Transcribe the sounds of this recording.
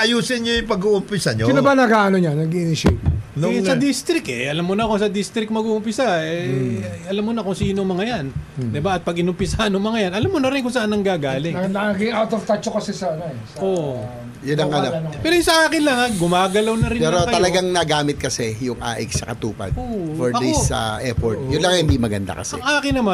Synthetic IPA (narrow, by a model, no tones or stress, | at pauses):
ʔɐjuːsɪnːojpɐɡuʔʊmpɪsɐɲoɪnɐbanɐɡaʔɐnoɲanɐɡɪnɪʃensɐd̪ist̪ɾɪkʔɛʔɐlɐmːonɐkosɐd̪ist̪ɾɪk̚mɐɡuːʔʊmpɪsaɛʔɐlamːonɐkʊŋsiːnomɐŋɐjand̪ɪbaʔɐt̪̚pɐɡɪnʊmpɪsahɐnʊŋmɐŋɐjanʔɐlamːonɐɾɪnkʊŋsɐʔanːɐŋɡaːɡaːlɪŋɐlaɐɡɪŋʔawt̪ovt̪at͡ʃokɐsɛsaɐnoɛsɐʔoʔ | jʊnɐŋɐnoɐpɛːɾojʊsɐʔaːkɪnlɐŋaɡʊmaːɡɐlɐwnɐɾɪnpɛːɾot̪ɐlɐɡaŋnɐɡaːmɪt̪̚kɐsɛjʊŋʔa̰ːʔɛksɐkɐt̪uːpɐ̰d̪oːfoɹɐd̪isɐ̰ʔɛfoɹt̪̚jʊnlɐŋɐhɪnd̪imɐɡɐ̰nd̪a̰kɐsɐɛ̰ŋʔaːkɪnːɐma